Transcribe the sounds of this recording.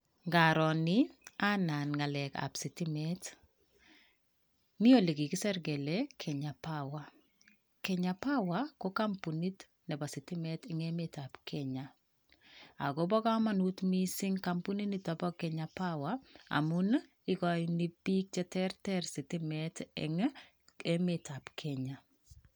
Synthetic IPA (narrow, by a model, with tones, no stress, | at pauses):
ŋɡa˨ɾɔ˨nɪ˦a˦na˨nŋa˨lɛ˨ka̰˨psi˨ti˦mɛ˦t | ni˦o˦˨li˨ki˨ki˦sɛ˦ɾɡɛ˨lɛkʰɛ˨ɲa˨pawa˨ | kɛ˨ɲa˨pa˦wa˦ko˦ka˦mpu˨ni˦t | nɛ˨ba˨si˨ti˦mɛ˦tɪŋɛ˦meta˨pkʰɛɲa˨ | a̰˨ɡo˨˦bɔ˦ka˦ma˦nu˦tmi˦sɪ˦ŋka˨mpu˦ni˦ni˦ta˨bɔ˦kɛ˨ɲa˨pa˦wa˦a̰˨mʊ˦n | ɪ˦ɡɔ˨jni˦bi˦k̚t͡ʃɛ˦tɛ˦ɾtɛ˦ɾsɪ˨ti˦mɛtɛ̰˨ŋ˦ | ɛ˦metʰa˨pkʰɛ˦ɲa˨